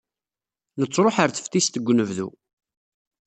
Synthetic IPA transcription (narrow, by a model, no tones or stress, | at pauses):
nət͡sːɾˤoħəɾθə̥ft̪ist̪əɡʷːnəvðṵ